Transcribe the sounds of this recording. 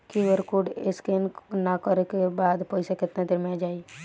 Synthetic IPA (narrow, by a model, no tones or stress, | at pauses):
kiʋəɾkuɖɪskennakəɾekebaːd̪pɔɪsekɪt̪nad̪ɪɾmẽad͡ʒaːi